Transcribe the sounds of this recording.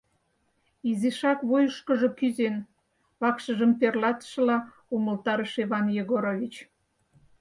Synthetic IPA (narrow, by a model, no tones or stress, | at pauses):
iziʃɑkβojəʃkəʒo̽kyzen | βɑkʃəʒəmperlɑt̪ə̥ʃə̆lɑ | uməlt̪ɑɾəʃeβɑnjeɣoɾoβʲit͡ɕ